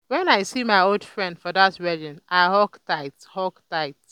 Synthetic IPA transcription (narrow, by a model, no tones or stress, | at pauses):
wɛ̃naɪsimaɪolˠdfɹɛ̃ndfɔðatɹɛdĩnʔaɪhɔktaɪthɔktaɪt